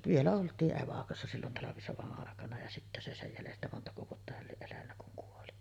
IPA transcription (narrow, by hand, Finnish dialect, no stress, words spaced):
ʋielæ oltˑiːʔ ʔeʋɑkosːɑ silːon tɑlɑʋisoʋɑʔ ʔɑˑekɑnɑ jɑ sitːæ se sej jælestæ montɑko ʋuotːɑ hæl lieʔ ʔelænːæ kuŋ kuoli